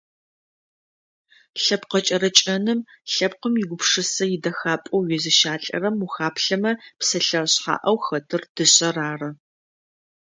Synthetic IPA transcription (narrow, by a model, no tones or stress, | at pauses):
ɬɐpqɐt͡ʃʼɐɾɐt͡ʃʼɐnɨmɬɐp̚qəmjɪɡʷʊpʂɨsɐjɪdɐxaːpʼɐwɥɪzɨʃaːɬʼɐ̰rɐmuxaːpʰɬɐmɐpsɐɬɐɕħa̰ːʔɐwxɐtʰɨrd̥ɨɕʼɐraːrɐ